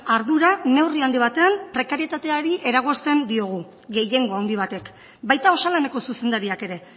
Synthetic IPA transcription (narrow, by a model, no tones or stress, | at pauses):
aɾðuɾane̞wriand̪iβ̞at̪e̞ampɾe̞kaɾie̞t̪at̪e̞aɾiʔe̞ɾaɣ̞o̞st̪e̞nd̪io̞ɣ̞u | ɡe̞je̞ŋɡo̞awnd̪iβ̞at̪e̞k | bajt̪ao̞salene̞ko̞suse̞nd̪aɾiake̞ɾe̞